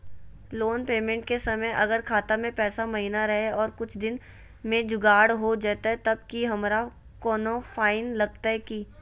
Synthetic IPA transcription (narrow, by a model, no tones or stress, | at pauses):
loːnpeːmẽːɳʈ̚kesɐməjʔɐɡəɾkʰaːt̪amẽpɛːsamɐɦinaɾɐɦeɔːɾkʊt͡ʃʰd̪ɪn | mẽd͡ʒʊɡaːɽɦod͡ʒaːt̪aɦɛt̪ɐb̚kiɦɐmɾa | kɔːnõfʰaːɪnlɐɡ̚t̪aɦɛki